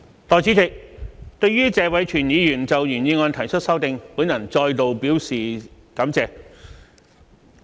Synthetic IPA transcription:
t̪ɔː˨˧jt͡si˨˥t͡sɪ˨k̚t̪ɵ˧ɥɥyː˥t͡sɛː˧wɐ˨˥jt͡ʃʰyː˨˩njiː˨˧jyː˨˩nt͡sɐ˨wjyː˨˩njiː˧ŋɔː˧nt̪ʰɐ˨˩jt͡ʃʰɵ˥t̚sɐ˥wt̪ɪ˨˧ŋpuː˨˥njɐ˨˩nt͡sɔː˧jt̪o˨wpiː˨˥wsiː˨ | kɐ˨˧˥mt͡sɛː˧

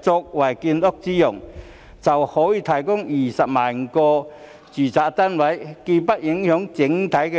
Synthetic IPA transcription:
t͡sʊ˧k̚wɐ˨˩jkiː˧nlʊ˥k̚t͡siː˥jʊ˨˩ŋ | t͡sɐ˨whɔː˨˥jiː˧t̪ʰɐ˨˩jkʊ˥ŋjiː˨˩sɐ˨p̚maː˨˩nŋ˨kɔː˧ | t͡syː˨˩t͡saː˨˧t̪ɐ˥nwɐ˨˥jki˧pɐ˥t̚jɪ˨˥ŋhœː˨˥ŋt͡sɪ˨˥ŋt̪ʰɐ˨˥jkɛ˧

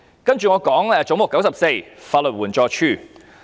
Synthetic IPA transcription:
kɐ˥nt͡ʃyː˨ŋɔː˨˧kɔː˨˥ŋɛː˨˧t͡sʊ˨˥ŋmʊ˨˩kːɐ˨˥wsɐ˨p̚se˧jfaː˧tlʊ˨t̚wuː˨˩nt͡ʃɔː˧t͡ʃʰyː˥˩

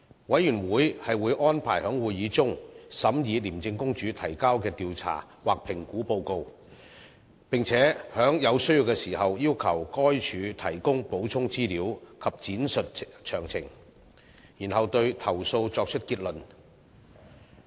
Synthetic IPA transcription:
wɐ˨˥jyː˨˩nwuː˨˥jhɐ˨jwuː˨˧jʔɔː˥npʰa̰ː˨˩jhœː˨˥ŋwuː˨jjiː˨˧˥t͡sʊ˥ŋsɐ˨˥mjiː˨˧liː˨˩mt͡sɪ˧ŋkʊ˥ŋt͡ʃyː˨˥t̪ʰɐ˨˩jkaː˥wkɛː˧t̪iː˨wt͡sʰa̰ː˨˩ | waː˨k̚pʰɪ˨˩ŋkuː˨˥po˧wko˧w | pɪ˨ŋt͡sʰɛː˨˥hœː˨˥ŋjɐ˨˧wsɵ˥ɥjiː˧wkɛː˧siː˨˩hɐ˨wjiː˥wkʰɐ˨˩wkɔː˥jt͡ʃʰyː˨˧t̪ʰɐ˨˩jkʊ˥ŋpo˨˥wt͡sʰʊ˥ŋt͡siː˥liː˨˥wkʰɐ˨p̚t͡siː˨˥nsɵ˨t̚t͡ʃʰœ̰ː˨˩ŋt͡sʰɪ˨˩ŋ | jiː˨˩nhɐ˨wt̪ɵ˧ɥt̪ʰɐ˨˩wso˧wt͡sɔː˧k̚t͡ʃʰɵ˥t̚kiː˧t̚lɵ˨˩n

